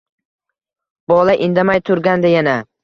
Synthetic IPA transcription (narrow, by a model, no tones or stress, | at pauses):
b̥ɒlˠaʔɪnd̪amajt̪ʰʊɾɡʲand̪ajana